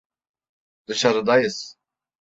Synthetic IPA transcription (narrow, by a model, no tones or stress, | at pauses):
d̪̥ɯʃaɾɯd̪ajɯs